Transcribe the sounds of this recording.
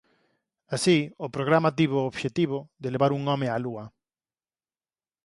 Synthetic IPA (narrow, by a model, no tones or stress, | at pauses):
asiʊpɾoɣɾamat̪̬iβooβʃet̪iβoðeleβaɾuŋɔmealuɐ